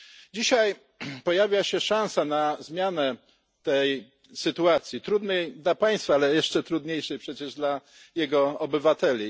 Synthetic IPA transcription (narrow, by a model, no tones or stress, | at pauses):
d͡ʑiɕaj | pɔjavʲjaɕɛʂãñsanazmʲjanɛ | t̪ɛj | sɘt̪uat̪sʲjit̪ɾud̪nɛjd̪lapaj̃st̪faalɛjɛʂt͡ʂɛt̪ɾud̪ɲejʂɛjpʂɛt͡ɕɛʐd̪la | jɛɡɔɔbɘvat̪ɛlʲi